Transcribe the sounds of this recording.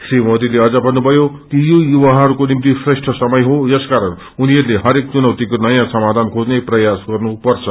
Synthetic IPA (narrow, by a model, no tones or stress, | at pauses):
srimʌd̪ileʌd͡zʌbʱʌnːubʱʌjo | kijojuwaɦʌɾukonimt̪isresʈʰʌsʌmʌjɦod͡zʌskaɾʌn | uniʌɾuleɦʌɾek̚t͡sunʌwt̪ikonʌjãsʌmad̪ʱankʰod͡zneprʌjasɡʌrnupʌrt͡sʰʌ